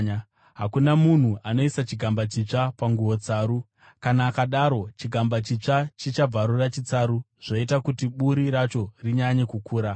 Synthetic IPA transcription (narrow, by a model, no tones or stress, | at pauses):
ɦakunamun̤uʔano̞isat͡ʃiɡʱambat͡ʃit͡ʂapaŋɡuwo̞t͡saːɾu | kanaːkaɗaɾo̞t͡ʃiɡʱambat͡ʃit͡ʂat͡ʃit͡ʃab͡vaɾurat͡ʃit͡saɾu | ʐ̥oitakutiɓuɾiɾat͡ʃo̞riɲaɲekukuːɾa